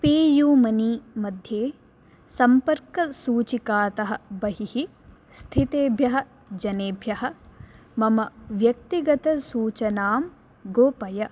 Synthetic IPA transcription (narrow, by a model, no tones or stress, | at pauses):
peːjuːmɐnimɐd̪ʱjeː | sɐmpɐɾkɐsuːt͡ʃikaːt̪ɐɦɐ̆bɐɦihi | st̪ʰit̪eːbʱjɐɦɐ̆ | d͡ʒɐneːbʱjɐɦɐ̆ | mɐmɐʋjɐk̚t̪iɡɐt̪ɐsuːt͡ʃɐnaːm | ɡoːpɐjɐ